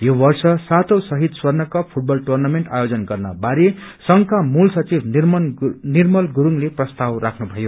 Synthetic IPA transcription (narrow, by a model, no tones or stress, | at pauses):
jobʌrsʌsat̪ʰʌwsʌɦit̪swʌrnʌkʌpʰuʈ̚bʌlʈurnameɳʈa̰jod͡zʌnɡʌrna̰baɾe | sʌŋkamulsʌt͡sibn | nirmʌlɡuɾuŋleprʌst̪awrakʰnubʱʌjo